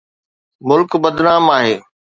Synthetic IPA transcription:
mʊlkbɐd̪naːmaːɦeː

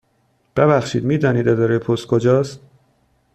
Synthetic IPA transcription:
b̥ebæxʃiːd̪miːd̪ɒːniːd̪ed̪ɒɾejpʰost̪̚kʰod͡ʒɒːst̪

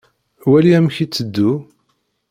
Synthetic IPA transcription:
wæliæmçit͡sːəd̪ːu

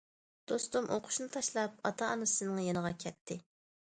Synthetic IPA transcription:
d̪̥ost̪umʔoqʰʊ̥ʃnɨt̪ʰɑʃlˠɑp̚ɑ̰t̪ʰɑːnɨsɨnɨŋjenəʁɑkʲʰɛt̪ʰːɪ

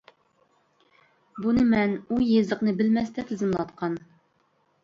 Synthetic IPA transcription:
bunɨmɛnujezəqnɨbɪlmɛst̪ɛt̪ʰɪzɪmlˠɑt̪̚qʰɑn

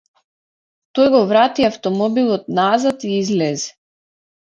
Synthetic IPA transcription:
t̪ɔjɡɔvɾat̪iaft̪ɔmɔbilˠɔt̪̚nazat̪iizlɛzɛ̥

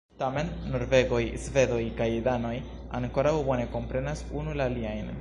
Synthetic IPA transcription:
tame̞nːo̞ɾve̞ɡo̞jsve̞do̞jkajdano̞j | a̰ŋko̞ɾawbo̞ne̞ko̞mpɾe̞nasunulaliajn

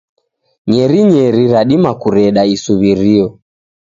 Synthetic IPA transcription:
ɲɛɾiɲɛɾiɾaɗimakuɾɛɗaisuβiɾiɔ

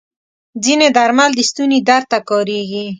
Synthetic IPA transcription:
zined̪aɾmald̪əst̪unid̪aɾt̪ːakɔɾeɡi

